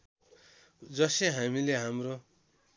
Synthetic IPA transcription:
d͡zʌseɦamileɦamro

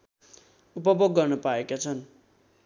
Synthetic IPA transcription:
upʌboɡːʌrnʌpaekat͡sʰʌn

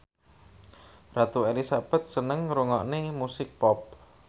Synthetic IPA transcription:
rat̪uelisab̥ɛ̤t̪̚sənəŋɾuŋɔʔnemusɪk̚pɔp̚

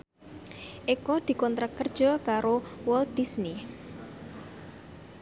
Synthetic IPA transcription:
ʔekɔd̪̥i̤kɔnt̪ɾakərd̥ʒ̥ɔ̤kaɾowɔld̪̥i̤sni

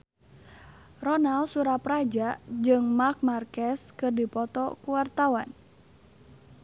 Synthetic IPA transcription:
rɔnalsuɾapɾad͡ʒaʔd͡ʒɨŋmark̚markɛskɨrdipɔt̪ɔkuwart̪awan

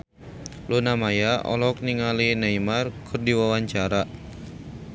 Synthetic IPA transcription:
lunamajaʔɔ̰lɔk̚niŋalinaimarkʰɨrdiwawaɲt͡ʃaɾa

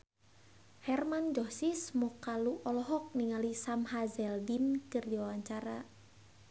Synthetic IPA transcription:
hɛrmand͡ʒɔsismɔkaluʔɔlɔɦɔk̚niŋalisamhazɛldinkɨrdiwawaɲt͡ʃaɾa

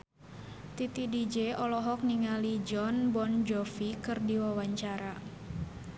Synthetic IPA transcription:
t̪it̪idid͡ʒeɔlɔɦɔk̚niŋalid͡ʒɔnbɔnd͡ʒɔfikɨrdiwawaɲt͡ʃaɾa

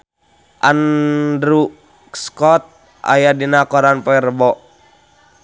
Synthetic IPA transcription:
ʔandɾu | skɔt̪̚ | ʔa̰jadinakɔɾanpɔɛrəbɔ

